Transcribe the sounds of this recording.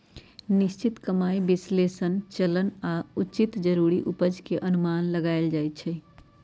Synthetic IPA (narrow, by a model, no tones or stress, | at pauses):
nist͡ʃit̪kəmaibislesənt͡ʃələnauːt͡ʃit̪d͡ʒəɾuɾiʔupəd͡ʒkeʔənumanləɡaɪld͡ʒajt̪̚t͡ʃʰɛ